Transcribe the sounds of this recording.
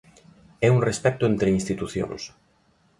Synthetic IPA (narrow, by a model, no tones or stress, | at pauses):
ɛuŋrespɛk̚t̪ʊent̪ɾeinst̪it̪uθjõ̰ŋs